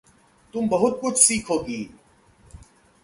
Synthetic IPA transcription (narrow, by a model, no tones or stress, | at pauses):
t̪ʊmbɐɦʊt̪̚kʊt͡ʃʰsiːkʰoːɡiː